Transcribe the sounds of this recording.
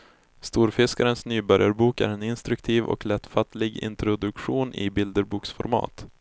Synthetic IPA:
st̪uːɾfɪskaɾənsnyːbœɾjaɾbuːkæ̰ɾɛnɪnst̪ɾɵkt̪ʰiːvɔ̰klɛt̪ːfat̪lɪɡɪ̰nt̪ɾʊd̪ɵkɧuːnʔɪ̰bɪld̪əɾbuːksfɔɾmɑ̰ːt̪

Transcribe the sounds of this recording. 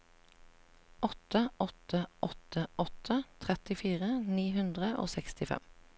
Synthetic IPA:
ʔɔt̪əʔɔt̪ʰəʔɔt̪ʰəʔɔt̪ʰət̪ʰʁɛt̪ɪfiːʁəniːɦʉnd̪ʁəʔo̰ːsɛkst̪ɪfɛ̰m

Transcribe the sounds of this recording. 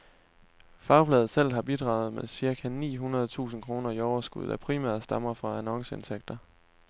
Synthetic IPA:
fɑ̈ʊfʰlɛːð̩ˠsel̰ˠɦɑ̈b̥id̥ʁɑ̰̈ːʊð̞̩ˠmesiɐkʰænḭːɦunɐð̞̩ˠt͡sʰṵːsn̩kʰʁo̝ːnɐiɒʊɐsɡ̥uð̞̰ˠæpʰʁimæ̰ɐ̰ðsd̥ɑ̈mɐfʁɑ̈ænɒ̽ŋsəe̝nt͡sʰeɡ̥̚d̥ɐ

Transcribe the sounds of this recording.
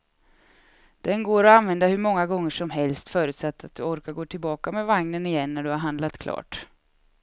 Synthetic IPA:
d̪̥ɛnɡoːɾɔanvɛnd̪ahɵɾmɔŋːaɡɔŋːəʂɔmɦɛlst̪fœːɾʉ̟ːt̪sat̪ːat̪̚d̪ɵɔɾkaɾɡoːt̪ʰɪlbɑːkamɛvaŋnənɪjɛnːæɖɵhaɾɦand̪lat̪kʰlɑ̰ːʈ

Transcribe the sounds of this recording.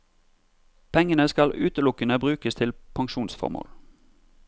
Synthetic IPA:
pʰɛŋənəskɑlʉːt̪əlʊkənəbʁʉːkəst̪ʰɪlpʰɑŋʃuːnsfɔ̰ʁmo̰ːl

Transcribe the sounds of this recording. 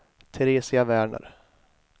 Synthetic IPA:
t̪ʰɛɾeːsɪavæːɳə̰ɾ

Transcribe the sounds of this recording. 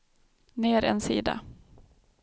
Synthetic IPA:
neːɾɛ̰nsḭːd̪a̰

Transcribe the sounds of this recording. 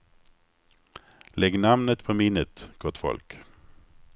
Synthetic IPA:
lɛɡnamnət̪pʰɔmɪnət̪ɡ̥ɔt̪fɔ̰lk

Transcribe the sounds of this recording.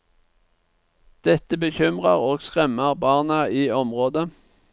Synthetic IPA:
d̪̥ɛt̪əbəçʏmʁəʁoːɡskʁɛməʁbɑːʁnəiːɔmʁoːd̪ə

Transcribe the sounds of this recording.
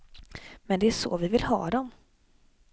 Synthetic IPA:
mɛnd̪ɛæʂɔ̰vɪvɪlhɑ̰ːd̪ɔm

